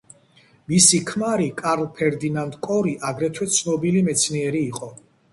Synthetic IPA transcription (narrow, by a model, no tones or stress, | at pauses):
misikʰmaɾikʼaɾlˠpʰɛɾd̪inand̪kʼɔɾiʔaɡɾɛt̪ʰwɛt̪sʰnɔbilimɛt̪sʰniɛɾiːqʼɔ